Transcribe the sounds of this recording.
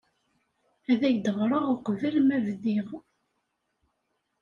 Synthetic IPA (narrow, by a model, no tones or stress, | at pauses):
æðæʝd̪əʁɾˤəʁʊqəvælmævðiʁ